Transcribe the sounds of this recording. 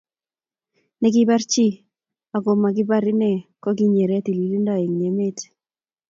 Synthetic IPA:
nɛ˦ɡɪ˦ba˦ɾt͡ʃi˦ | a˨ɡo˨ma˨ɡɪ˦ba˦ɾɪ˦nɛ˦kɔ˦ɡi˦ɲe˨ɾe˦t̪i˨li˨li˦ndɔ˨e˨ŋɲe˨me˦t

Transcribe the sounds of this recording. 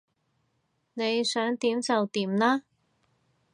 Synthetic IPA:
ne˨˧jsœː˨˥ŋt̪iː˨˥mt͡sɐ˨wt̪iː˨˥mlaː˥

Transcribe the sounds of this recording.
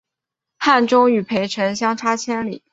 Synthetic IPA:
xa˥˩nʈ͡ʂʊ˥ŋy˨˩pʰe˧˥ɪʈ͡ʂʰə˧˥ŋɕjɑ˥ŋʈ͡ʂʰa˥t͡ɕʰjɛ˥nlḭ˨˩˦

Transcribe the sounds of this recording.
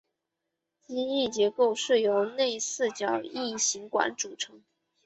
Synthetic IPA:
t͡ɕi˥i˥˩t͡ɕjɛ˧˥ko˥˧ʊʂɻ̩˥˩jo˧˥ʊne˥˧ɪsɹ̩˥˩t͡ɕjɑ˨˩ʊi˥˩ɕi˧˥ŋkwa̰˧˥nʈ͡ʂu˨˩ʈ͡ʂʰɤ˧˥ŋ

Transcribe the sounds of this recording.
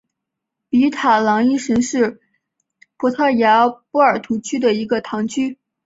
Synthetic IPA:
pi˧˥t̪ʰa˨˩lɑ˧˥ŋi˥˩ʂə˧˥nʂɻ̩˥˩ | pʰɔ˧˥t̪ʰɑ˥˩ja˧˥pu˥ə˞˨˩t̪ʰu˧˥t͡ɕʰy˥d̪ə˨i˧˥ɡə˧t̪ʰɑ˧˥ŋt͡ɕʰy˥

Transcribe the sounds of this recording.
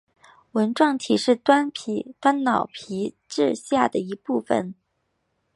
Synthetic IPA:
wə˧˥nʈ͡ʂwɑ˥˩ŋt̪ʰi˨˩ʂɻ̩˥˩t̪wa˥npʰḭ˨˥˦t̪wa˥nnɑ˨˩ʊpʰi˧˥ | ʈ͡ʂɻ̩˥˧ɕja˥˩d̪ə˩i˧˥pu˥˩fə̰˨˩n

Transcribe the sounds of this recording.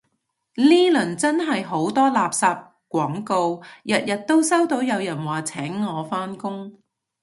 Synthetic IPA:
niː˥lɵ˨˩nt͡sɐ˥nɦɐ˨jɦo˨˥wt̪ɔː˥laː˨p̚saː˧p̚ | kʷɔː˨˥ŋko˧wjɐ˨t̚jɐ˨t̚t̪o˥wsɐ˥wt̪o˨˧˥wjɐ˨˧wjɐ˨˩nwaː˨˩t͡sʰɛː˨˥ŋːɔː˨˧faː˥nkʊ˥ŋ

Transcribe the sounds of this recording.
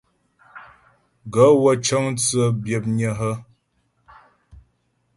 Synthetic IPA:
ɡə˨˦wə˦t͡ʃə˦ŋ˦t͡sə˦bjə˨p̚ɲə˨ɦə˦

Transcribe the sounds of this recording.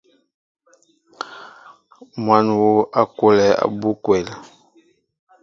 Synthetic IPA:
mwa˨˦nwo˦ʔa˦ko˦lɛ˨a̰˨bu˦kwɛ˨l

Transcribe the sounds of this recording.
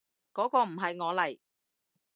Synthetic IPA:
kɔː˨˥kɔː˧m̩˨˩ɦɐ˨jŋɔː˨˧lɐ˨˩j

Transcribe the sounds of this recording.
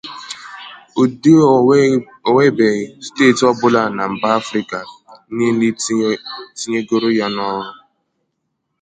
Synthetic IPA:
o˨de˦ | o˨we˦be˨ste˦˨tɔ˦bʊ˦la˦˨na˨m̩˨ba˦a˦fɾi˦˨ka˨˦ne˦ni˦ | ti˦ɲe˦ɡo˦ɾʊ˦ja˦nɔ˦ɾʊ˦

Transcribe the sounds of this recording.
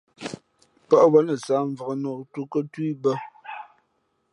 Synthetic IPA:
pə˦ʔwə˦nə˨sa˨˦ɱ˨və˨ɣə˨nɔ˨tu˦kə˦twi˦bə˦

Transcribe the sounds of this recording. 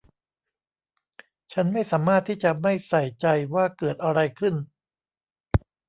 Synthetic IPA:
t͡ɕʰa˦˥nma˥˩jsaː˩˦maː˥˩t̪ʰːiː˥˩t͡ɕa˨˩ma˥˩jsa˨˩jt͡ɕa˧jwaː˥˩kɤː˨˩t̪̚ʔa˧ɾa˧jkʰɯ˥˩n

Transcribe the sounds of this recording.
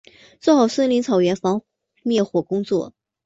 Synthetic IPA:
t͡swɛ˥˩xɑ˨˩ʊswə˥nli˧˥ŋt͡sʰɑ˨˩ʊɥɛ˧˥nfɑ˧˥ŋ | mjɛ˥˩xwɔ˨˩kʊ˥ŋt͡swɔ̰˥˩

